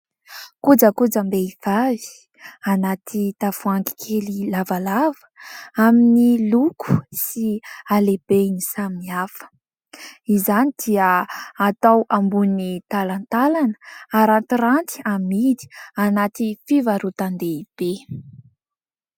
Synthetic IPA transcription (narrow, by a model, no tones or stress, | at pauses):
kud͡zəkud͡zəmbeiv̥avi̥ | anat̪it̪av̥uaŋɡi̥kʰelilavalavə̥aminilukʰu̥sialebenisaminiafə̥ | izanid̪̥iəat̪awʔambunit̪alant̪alanə̥aɾant̪iɾant̪i̥amid̪i̥anat̪ifivaɾut̪and̪eib̥e